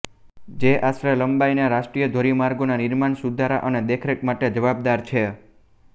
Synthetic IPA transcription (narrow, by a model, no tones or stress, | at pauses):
d͡ʒeʔasɾələmbajnaɾaʃʈɾijəd̪ʱoɾimaɾɡonanɪɾmaɳsud̪ʱaɾa̰ʔəned̪ekʰɾekmaʈed͡ʒəʋab̚d̪aɾt͡ʃʰe